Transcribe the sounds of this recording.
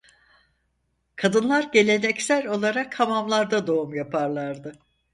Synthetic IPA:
kʰad̪ɯnlˠaɾɟe̞lʲe̞nɛcsæɾʲo̞lˠaɾakʰamamlˠaɾd̪ad̪o̞umjapʰaɾlˠaɾd̪ɯ

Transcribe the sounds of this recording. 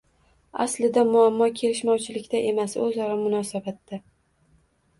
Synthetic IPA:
a̰slɪd̪amʊamːɒkʲʰe̞lɪʃmɒwt͡ʃʰɪlɪkʲt̪aʔe̞masɵzɒɾamʊnɒsabat̪ːa

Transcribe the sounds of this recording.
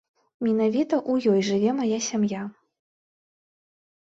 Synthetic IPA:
mʲinavʲit̪ɐʔujɔjʐɨvʲɛmajasʲamja

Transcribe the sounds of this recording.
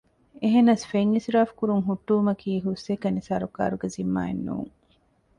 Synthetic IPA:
eɦenɐsfeŋːisɾaːfkuɾuŋɦuʈːuːmɐkʰiːɦusːekɐnisaːɾuka̰ːɾuɡezimːa̰ːenːṵːŋ

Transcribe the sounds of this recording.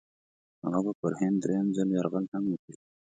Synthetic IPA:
ha̰ɣɑbapəɾhɪnd̪ɾejamzaljɑɾɣəlhaŋwəki

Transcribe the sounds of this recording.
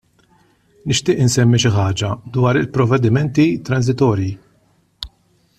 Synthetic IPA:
nɪʃt̪ɪːʔɪnsɛmːiʃ̬ɪħɐːd͡ʒɐd̪wɐːɾɪlpɾɔvɛd̪ɪmɛnt̪it̪ɾɐns̬ɪt̪ɔːɾji

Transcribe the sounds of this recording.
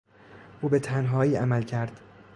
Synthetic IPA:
ʔuːbe̞t̪ʰænɦɒːiːæmælcʰæɾd̪̥

